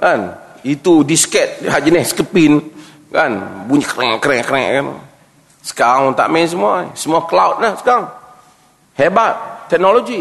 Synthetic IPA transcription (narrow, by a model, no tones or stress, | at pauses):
kan | it̪udiskɛt̪̚had͡ʒənɛhskəpɪn | kanbuɲəkəɾɛʔkəɾɛʔkəɾɛ̰ʔkan̰ | sə̥kaɾaŋɔnt̪a̰ʔmɛns̬əmuasəmuaklawt̪̚lahsə̥kaɾaŋ | hɛbat̪̚ːɛk̚nolod͡ʒi